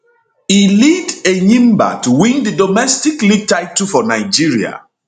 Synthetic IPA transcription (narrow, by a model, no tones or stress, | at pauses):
ilidenĩmba̰tuwĩndidɔmɛstikliɡ̚taɪtufɔnaɪd͡ʒiɹia̰